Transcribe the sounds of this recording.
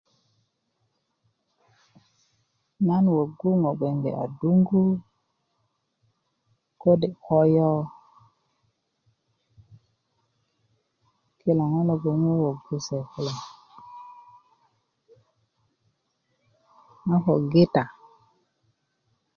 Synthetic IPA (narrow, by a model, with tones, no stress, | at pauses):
na˦nwo˨ɡu˦ŋo˨ɡe˨ŋɡḛ˨a̰˨du˦ŋɡu˦ | ko˦de˨ko˦jo˦ | ki˦la˨ŋa˦lo˨ɡo˨ŋo˦wo˨ɡu˦se˨ki˦la˨ŋ | ŋa˦ko˨ɡe˦ta˨